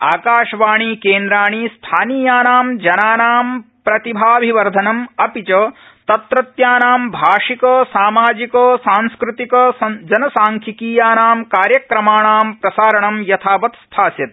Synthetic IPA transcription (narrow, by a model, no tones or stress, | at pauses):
aːkaːʂʋaːɳiːkeːnd̪ɾaːɳiːst̪ʰaːniːjaːnaːmd͡ʒɐnaːnaːm | pɾɐt̪ibʱaːbʱiʋɐɾd̪ʱɐnɐmɐpit͡ʃɐ | t̪ɐt̪ɾɐt̪jaːnaːmbʱaːʂikɐːsaːmaːd͡ʒikoːsaːnskɾut̪ikɐsɐd͡ʒɐnɐsaːŋkʰikiːjaːnaːmkaːɾjɐkɾɐmaːɳaːmpɾɐsaːɾɐɳɐmjɐt̪ʰaːpɐt̪st̪ʰaːsjɐt̪̚